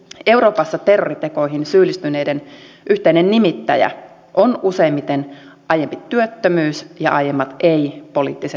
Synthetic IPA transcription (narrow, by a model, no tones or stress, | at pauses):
e̞wɾo̞ːpɑsːɑt̪erːorit̪eko̞ihinsyːlːist̪yne̞ːden | ʔyht̪einennimit̪ːæjæ̰ | ʔonuseimːit̪enʔɑjempit̪yøt̪ːømyːsjɑ̰ʔɑjemːɑt̪eipo̞lḭːt̪ːiset̪